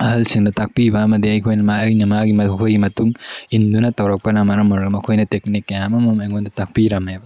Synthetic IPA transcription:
ɐɦɐlsiŋdɐtak̚pibɐːmɐdiɐjkʰojnɐmajnɐmaɡimɐkʰojɡimɐtuŋindunɐtɐwɾɐk̚pɐnɐmɐɾɐmɐɾɡɐmɐkʰojnɐtek̚nikːɐjamɐmɐmɐjŋondɐtak̚piɾɐmebɐ

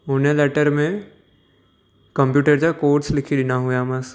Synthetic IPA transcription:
ʊnelɛːʈəɾmẽ | kə̃mpjuːʈəɾd͡ʒakoːɾslɪkʰid̪ɪnaɦʊjamɐs

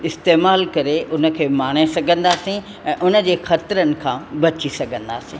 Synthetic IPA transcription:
ɪst̪eːmaːlkɐɾeʔʊnə̆kʰeːmaːɽ̃esɐɡʱə̃nd̪aːsĩ | ɛ̃ːʔʊnə̆d͡ʑeːxɐt̪ɾənɪ̆kʰãːbɐt͡ɕisɐɡʱə̃nd̪aːsĩː

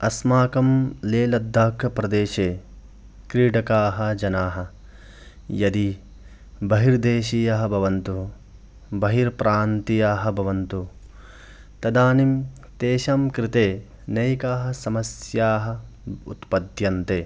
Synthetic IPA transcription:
ɐsmaːkɐmleːlɐd̪ʱːaːkʰɐpɾɐd̪eːʃeː | kɾiːɖɐkaːɦɐ̆d͡ʒɐnaːɦɐ̆ | jɐd̪i | bɐɦiɾd̪eːʃiːjaɦɐ̆bʱɐʋɐnt̪u | bɐɦiɾpɾaːnt̪ijaːɦɐ̆bʱɐʋɐnt̪u | t̪ɐd̪aːnim | t̪eːʃamkɾɪt̪eː | nɐjkaːɦɐ̆sɐmɐsjaːɦɐ̆ṵt̪pɐd̪ʱjɐnt̪eː

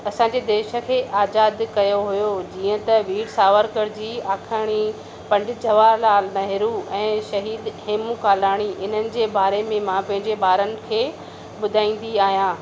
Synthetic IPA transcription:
ɐsãːɲd͡ʑed̪eːʃə̆kʰeːʔaːzaːd̪kɐjoɦʊjod͡ʑiːə̃t̪ɐʋiːɽsaːʋəɾkəɾd͡ʑiːaːkʰaːɽ̃i | pɐ̃ɳɖɪd͡ʑɐʋaːɾlaːlnɐɦɪɾuɛ̃ːʃɐɦiːd̪heːmũkaːlaːɽ̃iʔɪn̤ənɪ̆d͡ʑeːbaːɾemẽmãpɐ̃ɦɪ̃ɲd͡ʑebaːɾənɪ̆kʰeː | ɓʊd̪ʱaːĩːn̆d̪iaːɦijãː

